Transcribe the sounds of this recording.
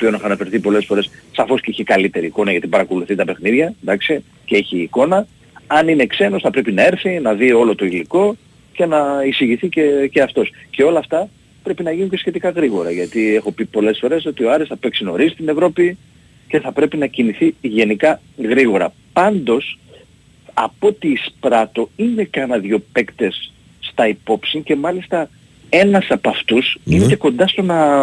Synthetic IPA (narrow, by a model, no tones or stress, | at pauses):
opio̞nexɐnɐfe̞ɾθipo̞le̞sfo̞ɾe̞ssɐfo̞sceiçikɐlit̪e̞ɾiːko̞nɐjɐt̪ipɐɾɐko̞luθit̪ɐpe̞xniðʝɐd̪ɐksi | ceeçiːko̞nɐ | ɐnine̞kse̞no̞sθɐpɾe̞pinɐe̞ɾθinɐðio̞lo̞t̪o̞iliko̞ | ce̞nɐisiʝiθiceceɐft̪o̞sce̞o̞lɐːft̪ɐ | pɾe̞pinɐʝinuɲcesçe̞t̪ikɐɣɾiɣo̞ɾɐʝɐt̪ie̞xo̞pipo̞le̞sfo̞ɾe̞so̞t̪io̞ɐɾesθɐpe̞ksino̞̰ɾizit̪ine̞vɾo̞pi | ce̞θɐpɾe̞pinɐciniθiʝe̞nikɐ | ɣɾiɣo̞ɾɐ̰ | pɐnd̪o̞s | ɐ̰po̞t̪iːspɾɐt̪o̞ine̞cɐnɐðʝo̞pe̞kt̪e̞sː | t̪ɐipo̞psiɲce̞mɐlist̪ɐ | e̞nɐsɐpɐft̪usineeko̞nd̪ɐst̪o̞nɐ